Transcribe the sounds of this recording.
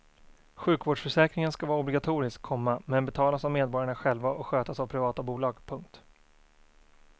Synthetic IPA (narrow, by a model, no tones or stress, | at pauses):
ɧʉ̟ːkvoːɖʂfœʂɛːkɾɪŋənskavɑːɾaɔblɪɡat̪ʰuːɾɪskʰːɔmːamɛnbɛt̪ʰɑːlasavmeːd̪̚bɔɾjaɳaɧɛlvaʔɔkɧøːt̪asavpʰɾɪvɑːt̪abuːlɑːɡpʰɵŋk̚t̪